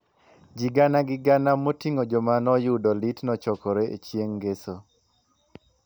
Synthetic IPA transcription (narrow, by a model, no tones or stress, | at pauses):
d͡ʒiɡanaɡɪɡanamotiŋod͡ʒomanɔjudɔlitnɔt͡ʃɔkɔɾeʔḛt͡ʃjeŋɡeso